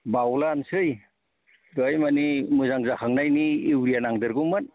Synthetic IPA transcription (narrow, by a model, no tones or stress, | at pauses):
bawlansɯj | dɔjmanimɯzaŋzahʰaŋnajniːwɾijanaŋdɯɾɡumɯn